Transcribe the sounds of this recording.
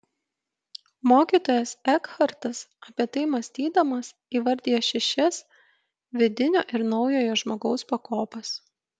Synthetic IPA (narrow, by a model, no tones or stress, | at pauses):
moːkʲiːt̪oːjɛsɛkxɐɾt̪ɐsɐpʲiɛt̪ɐɪmɐsʲt̪ʲiːd̪ɐmɐs | iːʋɐɾʲd̪ʲijɛʃʲɛʃʲɛs | ʋʲɪd̪ʲɪnʲo̰ːʔɪɾnɒʊjoːjoʒmoːɡɒʊspɐkoːpɐs